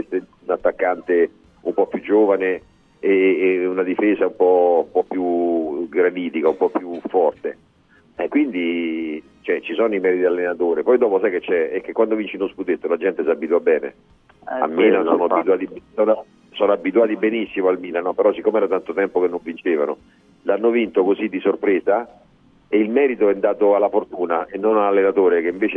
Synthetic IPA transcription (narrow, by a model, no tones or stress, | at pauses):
est̪eunat̪ːakːant̪e | umpɔpːjud͡ʒːoːvaneː | unad̪ifeːsaumpɔumpɔpːjuɡɾaniːt̪ikaumpɔpːjufːɔrt̪e | ɛkːwind̪i | t͡ʃoɛt͡ʃisɔːnoimɛːɾid̪ialːenat̪oːɾipɔjd̪ɔːposajket͡ʃːɛɛkːekːwand̪ovint͡ʃinosput̪et̪ːolad͡ʒɛnt̪esabːit̪uabɛːnḛ | a̰lmːiːlasɔːnoabit̪uwaːt̪ibsɔno | sɔnoabːit̪uaːt̪ibenisːimoalmiːlanɔpeɾɔsikːomɛːɾat̪ant̪ot̪ɛmpokenːoɱvint͡ʃeːvano̰ | lanːovint̪okozid̪ːisorpɾeːza | eilmɛːɾit̪oɛnd̪aːt̪oalːafort̪uːnaenːonalalːenat̪oːɾek̟eiɱveːt͡ʃe